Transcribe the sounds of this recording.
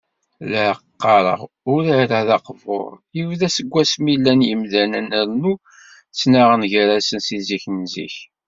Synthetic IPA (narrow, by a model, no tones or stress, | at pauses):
læqːɑɾˤə̰ʁ | ʊɾiɾæðɑqvo̰ɾˤjivðæsəɡʷːæsmilːænjəmðænænəɾnu | t͡sːnaʁənʝəɾæsənsiziçnzḭç